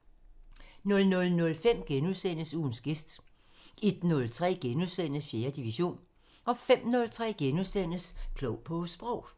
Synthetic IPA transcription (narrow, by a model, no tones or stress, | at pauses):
nɔ̽lnɔ̽lnɔ̽lfem̰ɡ̥enuðˠsen̰əsuːn̩sɡ̥e̝sd̥ | e̝d̥nɔ̽lt͡sʰʁɛ̰ːɡ̥enuðˠsen̰əsfje̝ːɐd̥iʋiɕo̝̰ːn | ɒ̽fem̰nɔ̽lt͡sʰʁɛ̰ːɡ̥enuðˠsen̰əskʰlɔʊ̰pʰɔ̽sb̥ʁɔʊ̰